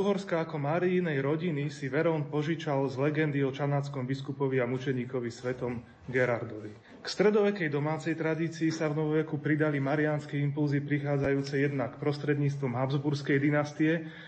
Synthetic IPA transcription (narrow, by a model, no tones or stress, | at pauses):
uɦɔɾskaːkɔmaɾiːnɛjɾɔɟinisiʋɛɾɔnpɔʒit͡ʃalzlɛɡɛnd̪iɔt͡ʃanaːt͡skɔmbiskupɔʋiamut͡ʃɛɲiːkɔʋisʋɛt̪ɔm | ɡɛɾaɾd̪ɔʋi | kst̪ɾɛd̪ɔʋɛkɛjd̪ɔmaːt͡sɛjt̪ɾad̪iːt͡siːsavnɔʋɔʋɛkupɾid̪alimaɾianskɛimpulzipɾixaːd͡zajuːt͡sɛjɛd̪nakpɾɔst̪ɾɛd̪ɲiːt͡st̪ʋɔmɦabzbuɾskɛjd̪inast̪iɛ